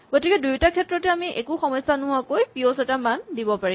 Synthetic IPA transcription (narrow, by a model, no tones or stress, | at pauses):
ɡ̥otikɛdujtakʰɛtɹɔtɛamiʔɛ̰kʊxɔmɔjsanʊɦakojpiosɛtamandibɔpaɹi